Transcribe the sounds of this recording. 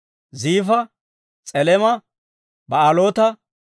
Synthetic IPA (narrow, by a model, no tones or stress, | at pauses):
ziːfɐ | t͡sʼɛlɛmɐ | bɐalo̞ːt̪ɐ